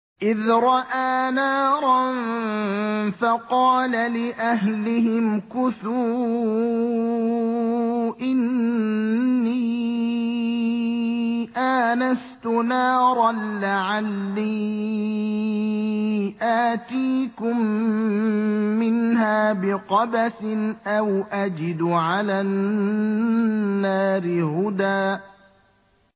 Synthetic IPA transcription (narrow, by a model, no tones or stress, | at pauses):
ʔɪðɾˤɑʔaːnaːɾˤɑn | fɑqɑːlalɪʔaɦlɪhɪmkʊθu | ʔɪn | iː | ʔanast̪ʊnɑːɾˤɑnːaʕalːiː | ʔaːt̪iːkʊm | ɪnhaːbɪqɑbasɪnʔawʔad͡ʒɪd̪ʕalaː | aːɾɪhʊd̪aː